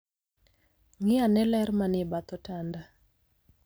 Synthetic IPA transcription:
ŋɪanɛlɛrmanɪbat̪ɔtanda

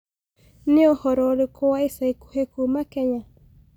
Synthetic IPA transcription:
neɔhɔɾɔɾekɔwaisaiku̥hekumakɛɲa

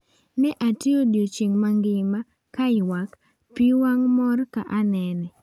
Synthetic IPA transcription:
mɛʔatiodot͡ʃeŋmaŋɡɪma | kaɪwak | piwaŋmɔrka̰ʔanɛnɛ

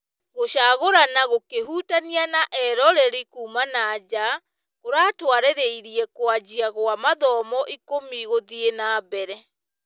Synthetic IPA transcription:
ɣoɕaːɣoɾanaɣokeɦuːtanianaʔɛɾɔɾɛɾikuːmanad͡ʑa | koɾaːtwaɾeɾeiɾiɛkwad͡ʑiaɣwamaðɔmɔʔikomiɣoðienaːbɛɾɛ

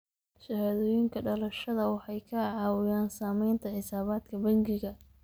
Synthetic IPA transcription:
ʃɐhaːðɔːjɪŋkʰɐɖɐlɐʃɐðɐwɑħɑjkʰɐʕɑːwɪjaːnsaːmɛjnt̪ʰɐʕɪsaːβaːd̪kʰɐbɐŋɡɪɣɐ

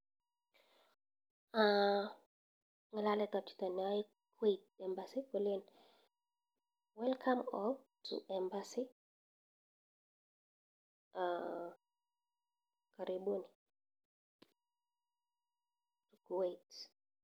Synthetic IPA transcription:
a | ŋalalɛtati̥tɔnaji | kwet̚ɛmbasikɛlin | wɛlkʰamɔtʰṵʔɛmbasi | a | kaɾʔibuni | tukwet

